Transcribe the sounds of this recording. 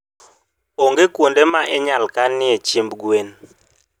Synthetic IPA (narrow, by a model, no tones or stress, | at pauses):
oŋɡekwondemaʔɛɲalkanːɪet͡ʃembɡwen